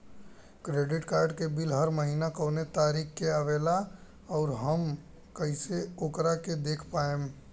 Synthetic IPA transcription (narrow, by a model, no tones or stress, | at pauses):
kɾeːɖɪʈkaːɾɖkebɪlɦəɾməɦiːnakoːnet̪aːɾiːkkeaʋeːla | ɔːɾɦəm | kəiseokɾaked̪eːkʰpaːẽm